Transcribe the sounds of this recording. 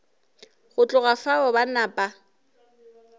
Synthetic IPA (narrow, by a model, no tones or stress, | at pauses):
ɣʊt͡ɬʼʊɣafaɔbanaːpʼa